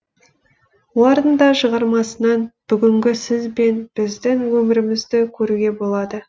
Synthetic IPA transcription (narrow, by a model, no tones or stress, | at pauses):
woɾənd̪ɑʃəʁɑɾmɑsənɑnb̥ʏɡʲɪŋɡʲɪsɪzbe̞nb̥ɪzd̪ɪŋwɵmɪɾɪmɪzd̪ɪkʲʰɵɾuɡʲe̞bo̞lˠɑd̪ə